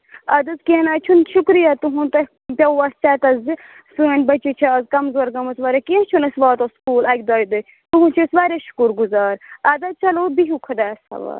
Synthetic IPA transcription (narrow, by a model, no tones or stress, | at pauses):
ɐd̪ɐzkenaːt͡ʃʰunʃukɾijaːt̪uɦũt̪ɐ | pʲɐɐst͡ʃaːt̪ɐzi | suɐnʲbɐt͡ʃit͡ʃʰazkɐmzoːɾɡɐmɐsʋaːɾʲekĩt͡ʃʰunɐsʋaːt̪oskuːlɐkʲd̪aːjd̪ɐ | t̪uɦũt͡ʃʰisʋaːɾʲaʃu̥kuɾɡuzaːɾɐd̪ɐt͡ʃʰɐloːbiɦukʰɐd̪aːɐsɐ̰ʋa̰ːɾ